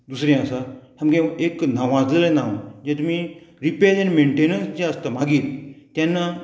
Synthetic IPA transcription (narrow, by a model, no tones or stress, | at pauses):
d̪usɾẽasat̪ʰamɡẽeknaʋãd͡zəɾenawd͡ʑet̪um̤ĩɾiped͡ʒanmẽɳʈenənsd͡ʑɛəst̪am̤aɡiːɾt̪janːa